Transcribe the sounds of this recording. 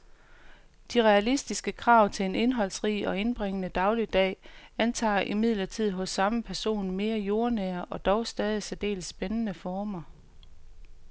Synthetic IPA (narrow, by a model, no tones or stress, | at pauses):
d̥iʁɛælisd̥isɡ̥əkʰʁɑ̈ːʊt͡sʰe̝le̝ne̝nɦɒ̽l̰sʁḭːɒ̽e̝nb̥ʁeŋənəd̥ɑ̈ʊlid̥ɛ̰ːænt͡sʰɑ̰̈ːʔimið̞̰ˠlɐt͡sʰið̞̰ˠɦɔ̽sːɑ̈məpʰæɐso̝̰ːnme̝ːɐjo̝ɐnɛːɐʔɒ̽d̥ɒʊsd̥ɛːð̞ˠisæd̥e̝̰ːlsːb̥enənəfɒːmɐ